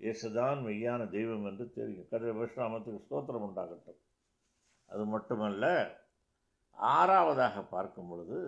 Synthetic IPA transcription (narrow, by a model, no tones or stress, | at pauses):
ʔɛsɐðaːnʋɛjːaːnɐd̪ɛjʋɐmɛndrɯt̪ɛ̰ɾɪjʊ̃kɐɽɐɾɐbɐɾʂɾɐɐmɐt̪ːɯkːɯst̪oːt̪̬ːɐɾɐmʊɳɖaːɣɐʈːɯ̃ | ʔɐ̰ðɯmɐʈːɯmɐlːɐ | aːɾaːʋɐðaːɣɐpːa̰ːɾkɯmbɔɭɯðɯ